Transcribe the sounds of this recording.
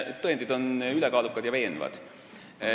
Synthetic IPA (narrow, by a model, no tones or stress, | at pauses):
t̪oend̪id̪o̞nylɛkɑːlukːˑɑd̪̥jɑve̞ːnvɑ̰d̪̥